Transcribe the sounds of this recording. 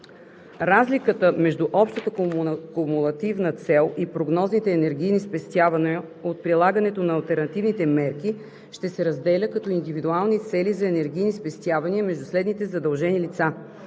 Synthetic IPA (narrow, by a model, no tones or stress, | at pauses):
ɾazlikət̪əmɛʒd̪uʔɔpʃt̪ət̪əkkomulˠɐt̪ivnət̪sɛlˠipɾoɡnɔznit̪ɛːnɛɾɡ̟ijnispɛst̪ʲjavɐnɛ | ot̪̚pɾilˠaɡənɛt̪onɐːlˠt̪ɛɾnɐt̪ivnit̪ɛmɛɾki | ʃt̪ɛsɛɾɐzd̪ɛlʲəkɐt̪ɔind̪ivid̪ualˠnit̪sɛlizɐɛnɛɾɡ̟ijnispɛst̪ʲjavɐniəmɛʒd̪uslɛd̪nit̪ɛzɐd̪ɐlˠʒɛnilit̪sa